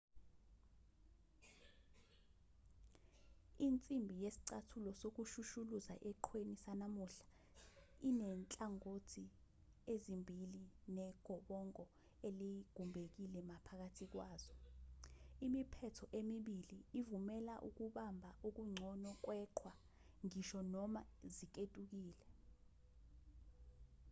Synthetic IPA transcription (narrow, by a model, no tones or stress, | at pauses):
int͡sʼimbʱijesi̥ǀatʰulɔsok̬uʃuʃuluza̰ʔɛǃʰwenisanamuɬḁ | inɛnt͡ɬʼaŋotʰi | ezimbʱilinɛɡ̥ʱɔɓɔŋɔ | eliɡ̥ʱumbʱek̬ilɛmapʰak̬atʰik̬waːz̥ɔ | imipʰɛtʰɔʔemiɓiliːvumɛlaʔṵk̬uɓambʱaʔuk̬uŋ͡ǀʱɔnɔk̬wɛːǃʰwa | ŋiʃɔnɔmazik̬etʼuk̬iːlɛ